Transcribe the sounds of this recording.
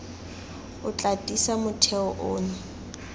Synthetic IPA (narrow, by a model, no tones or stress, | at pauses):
ʊt͡ɬʼatʼisamʊtʰɛɔʔoːnʊ